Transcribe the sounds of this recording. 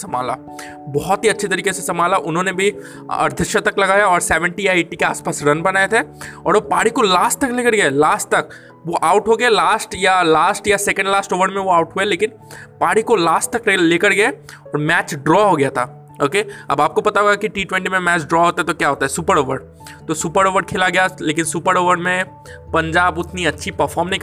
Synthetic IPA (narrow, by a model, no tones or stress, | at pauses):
sɐma̰ːla̰ː | bɔɦɔt̪ɦiɐtːʃʰet̪ɐɾiːkesesɐmaːlaʔʊnɦõnebʱi | ɐ̰ɾd̪ʱɪʃət̪ɐklɐɡaːjaɔːɾsɛːʋə̃ɳʈijaeːʈikeaːspaːsɾɐnbɐnaːet̪ʰeɔ̰ːɾpaːɽikolaːsʈt̪ɐkleːkəɾɡɐelaːsʈt̪ɐk | ʋoʔaːʊʈɦoɡɐelaːsʈjalaːsʈjasɛːkə̃ɳɖlaːsʈoːʋəɾmẽʋoaːʊʈɦueleːkɪn | paːɽikolaːsʈt̪ɐkeleːkəɾɡɐe | ɔːɾmɛːt͡ʃɖɾɔɦoɡɐjat̪ʰa | oːkeɐ̰baːp̚kopɐt̪aɦoːɡakiʈiːʈwɛ̃ɳʈimẽmɛːt͡ʃɖɾɔɦoːt̪aɦɛt̪okjaɦoːt̪aɦɛsuːpəɾoːʋəɾ | t̪osuːpəɾoːʋəɽkʰɪlaɡɐjaleːkɪnsuːpəɾoːʋəɾmẽ | pɐ̃ɲd͡ʒaːbʊt̪niɐtːʃʰipɐɾfʰɔːɾmnɐɦĩk